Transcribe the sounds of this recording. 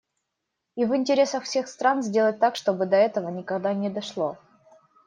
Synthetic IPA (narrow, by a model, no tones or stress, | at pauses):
ivɪnʲtʲɪɾʲe̞səxfsʲe̞xst̪ɾanzʲdʲe̞lˠət̚ʲt̪akʂt̪o̞bɨd̪ɐɛt̪əvənʲɪkɐɡd̪anʲɪd̪ɐʂlˠo